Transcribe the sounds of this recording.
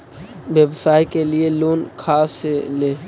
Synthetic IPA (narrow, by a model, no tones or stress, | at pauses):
ʋjebsaːikelieloːnkʰaːseleː